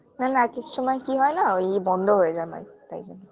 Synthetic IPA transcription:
nanakekʃɔmɔekiɦɔenaojbɔnd̪ʱoɦojezama̰jt̪a̰jzone

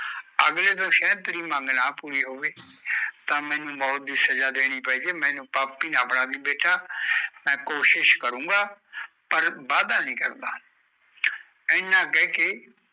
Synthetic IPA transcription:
əɡleːt̪̬õːʃɛ̃ːt̪ɾiːmãːŋɡnãːpuːɾiːɦoːʋeːt̪ãːmɛ̃ːnũːbɔːt̪̚d̪iːsəd͡ʒaːd̪eːɽ̃iːpɛiːd͡ʒeːmɛ̃ːnũːpaːpːiːnaːpɽãːd̪iːbeːʈʰaːmɛ̃ːkoːʃɪʃkəɾũːɡaː | pəɾbaːd̪ãːnĩːkəɾd̪aː | ɛnãːk̬ɛːkɪ

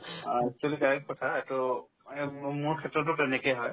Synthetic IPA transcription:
ak̚t͡ʃualikajkɔtʰaɛtʊ | mʊɹkʰɛtɹɔt̬ːʊtɛnɛkejɦɔj

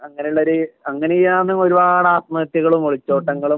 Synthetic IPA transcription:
ɐŋːɐnejuɭːoɾɨɐŋːɐnejijaːnːɨmo̞ɾubaːɽaːt̪̚mɐt̪ːjiɣɐɭumoɭit͡ɕːo̞ːʈːɐŋːɐɭum

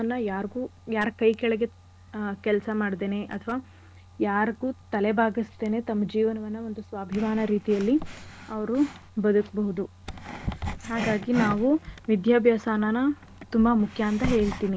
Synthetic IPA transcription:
ɐnːɐjaːɾɡuːjaːɾɐkɐjkɛɭɛɡe̞ | kɛlɐsɐmaːɽd̪eːne̞ʔɐt̪ʰɐʋaː | jaːɾɡuːt̪ɐlebʱaːɡist̪e̞ːne̞t̪ɐmːɐd͡ʒiːʋɐnɐʋɐnːɐo̞nd̪usʋaːbʱiʋaːnɐɾiːt̪ijɐlːiɐʋɐɾubɐd̪ukɐbɐɦud̪u | haːɡaːɡinaːʋuʋid̪ʱjaːbʱjaːsaːnaːnɐ | t̪umbɐmukʰjaːnt̪ɐɦe̞ːɭt̪iːni

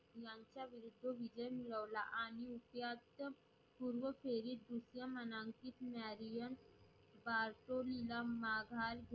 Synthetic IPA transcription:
jaːnt͡ʃaʋiɾud̪ʱːoʋid͡ʒəjmiɭəːlaʔaːniupjaːt̪ | puɾʋəpʰeːɾid̪usjamɐnaːŋkit̪maːɾijən | baːɾʈolilamaːɡʱaːɾɡ

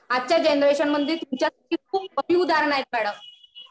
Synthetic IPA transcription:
at̚t͡ɕjad͡ʑenɾeɕənməd̪ʱːiːɾt̪uɲt͡ɕjasḁʈʰiːk̚ʰuːp̚əbʱiːud̪ʱaɾɳajet̪̚mɛɽə

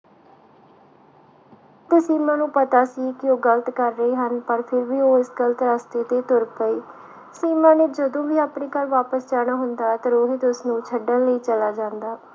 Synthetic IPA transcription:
t̪eːsiːmãːnũːpət̪aːsiːkɪoːɡələt̪kəɾːəiːɦənpəɾpʰɪɾʋiːoːɪsɡələt̪ɾast̪eːt̪eːt̪ʊɾpəiː | siːmãːneːd͡ʒəd̪õːʋiːaːpɳiːkəlʋaːpəst͡ʃaːñaːɦʊnd̪aːt̪əɾoːɦiːt̪ʊsnũːt͡ʃʰəɖənləiːt͡ʃəlaːd͡ʒãːnd̪aː

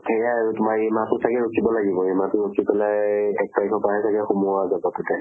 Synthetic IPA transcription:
tʰɛkaaɹutʊmajimatʊsakɛɹokʰibɔlaɡibɔematʊɹokʰipɛlajɛk̚pajkʰɔpaɦɛsʰakɛxumuazabɔtɔtɛ

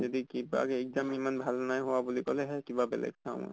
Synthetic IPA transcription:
zod̪ikiba̰kɛɛɡzamimanbʱalnajɦowabulikɔlɛɦɛkibabɛ̰lɛ̰ɡsʰa̰ʊ̰̃

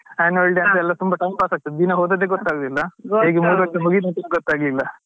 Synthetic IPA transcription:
aːnɐɭɖ̪eɐnt̪ɛlːɐt̪umbɐʈɐjmbaːsaːk̚t̪ɐd̪inɐɦoːd̪ɐd̪eɡɔt̪ːaːɡod̪ilːɐɦeːɡemuːɽʋɐt͡ʃːɐɦoɡid̪ɐnt̪ɐnuɡɔt̪ːaːɡlilːɐ

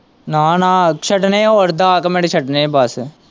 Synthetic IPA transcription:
naːnaːʃɐʈneɔːɾd̪aːkɐmeɽeʃʰɐʈnebas

